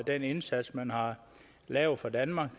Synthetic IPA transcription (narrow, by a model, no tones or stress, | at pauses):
d̥ene̝nsæd̥smænhɑ̈ | lɛʊðˠfɑ̈d̥ænmɑ̈ɡ̥